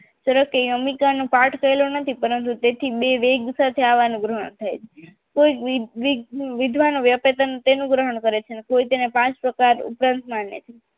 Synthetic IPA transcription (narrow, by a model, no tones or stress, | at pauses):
t͡ʃəɾəkejəmikanũpaʈʰkʰəelonət̪ʰipəɾənt̪ut̪et̪ʰibeʋeɡsat̪ʰeaʋanũɡɾəɦəɳt̪ʰajt͡ʃʰe̥ | koiʋiʋid̪ʱʋanoʋjəpet̪ənt̪enũɡɾəɦəɳ̃kəɾet͡ʃʰenekoit̪enepãt͡ʃpɾəkaɾṵpɾãnt̪manjə̰t̪ʰa